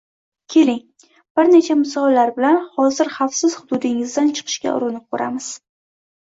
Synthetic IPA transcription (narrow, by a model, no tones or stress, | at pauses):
kʲʰe̞lɪŋ | b̥ɪɾne̞t͡ʃʰamʊsɒlaɾbɪlanχɒzɪɾχafsɪz̥hʊd̪ʊd̪ɪŋɪzd̪ant͡ʃʰɨ̥qʰɨ̥ʃkʲa̰ʔʊ̰ɾɪnɪp̚kʰoɾamɪz̥